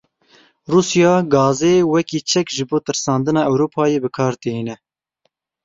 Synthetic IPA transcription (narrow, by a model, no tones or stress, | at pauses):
ruːsjɑːɡɑːzeːwɛkiːt͡ʃʰɛkʒɨboːt̪ɨɾsɑːnd̪ɨnɑːʔɛwɾuːpʰɑːjeːbɨkʰɑːɾd̪ɨɦiːnɛ